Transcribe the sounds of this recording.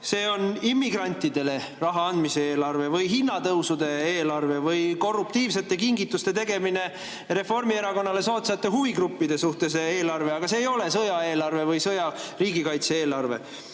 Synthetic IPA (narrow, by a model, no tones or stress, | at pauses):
se̞ːo̞nimːiɡrɑnʲt̪ːˑid̪̥e̞le̞ | rɑɦɑɑnd̪miseeːlɑrve̞vɯjɦinːɑt̪ɤwsud̪e̞eːlɑrve̞vɯjko̞rːup̚t̪iːvs̬e̞t̪ːˑe̞kiŋɡit̪ːust̪e̞t̪e̞ɡe̞mine̞ | ɾe̞fo̞rmie̞ɾɑko̞nːɑle̞soːt̪seɑt̪ːˑe̞ɦuviɡɾupːid̪̥e̞suht̪e̞s̬ee̞ːlɑrve̞ɑɡ̥ɑseːjo̞le̞sɤjɑe̞ːlɑrve̞vɯjsɤjɑriːɡikɑjt̪seeːlɑrve̞̰